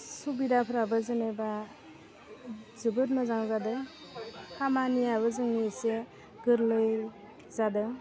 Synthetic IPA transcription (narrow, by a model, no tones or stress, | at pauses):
subidapʰɯɾabɯzɯneba | zɯbɯt̚mazaŋzadɯ | hamaniaβɯzɯŋnise | ɡɯɾlɯj | zadɯ